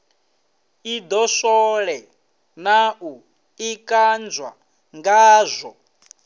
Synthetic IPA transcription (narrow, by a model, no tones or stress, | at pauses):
id̪ɔʃɔɺɛ | naʔu | ikʼand͡zwa̰ | ŋɡaːzʷɔ